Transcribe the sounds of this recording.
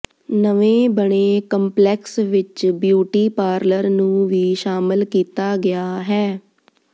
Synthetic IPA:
nəʋẽːbəɳ̃eːkəmplɛːksʋɪt͡ʃbjuːʈiːpaːɾləɾnũːʋiːʃaːmɪlkiːt̪aːɡɪjaːɦɛː

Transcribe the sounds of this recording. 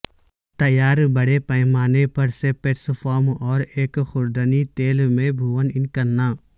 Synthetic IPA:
t̪ɐjaːɾbəɽepəjmaːnepɐɾsepeːʈsfʰɔːmɔːɾeːkxʊɾd̪ənit̪eːlmẽbʱuʋənɪnkəɾnaː

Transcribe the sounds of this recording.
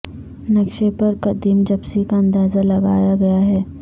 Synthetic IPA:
nɐkʃepɐɾkɐd̪iːmd͡ʒɐbsikaɐ̃nd̪aːzalɐɡa̰ːjaɡɐjaɦɛː

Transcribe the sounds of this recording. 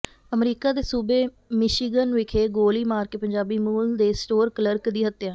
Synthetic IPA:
əmɾiːkaːd̪eːsuːbeː | mɪʃiːɡənʋɪkʰeːɡoːliːmaːɾkeːpəɲd͡ʒaːbiːmuːld̪eːsʈoːɾkələɾkd̪iːɦət̪ːejãː

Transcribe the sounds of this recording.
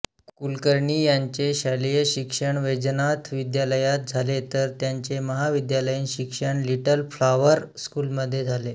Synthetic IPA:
kulkəɾɳiːjaɲt͡ɕeɕalijəɕikʂəɳʋed͡ʑənat̪ʰʋid̪jaləjat̪̚d͡zʱalet̪əɾt̪jaɲt͡ɕeməɦaʋid̪jaləjiːnɕikʂəɳliʈəlflaʋəɾskuːlməd̪ʱːjed͡zʱale

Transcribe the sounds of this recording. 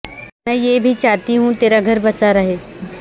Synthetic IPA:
mɛ̃ːjeːbʱit͡ʃaːt̪iɦũt̪eːɾaɡʱɐɾbɐsaɾɐɦeː

